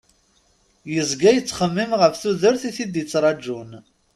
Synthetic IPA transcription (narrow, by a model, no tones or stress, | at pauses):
jəzɡæjət͡sːχəmːimʁəfθuðəɾθiθid̪jət͡sːɾˤɑd͡ʒːun